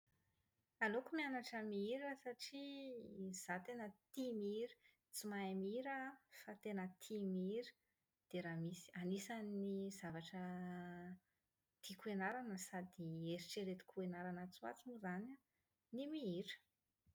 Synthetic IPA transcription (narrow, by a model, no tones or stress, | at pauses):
alokumianaʈ͡ʂəmiiɾəsaʈ͡ʂi | z̥at̪enət̪imiiɾi̥ | t͡simaamiiɾəfat̪enət̪ʰimiiɾi̥ | d̪̥eɾamisi̥anisanizavaʈ͡ʂə | t̪ikuenaɾanəsad̪ieɾiʈ͡ʂeɾet̪i̥kuenaɾanət͡sua̰t͡sunuzana | nimiiɾə̥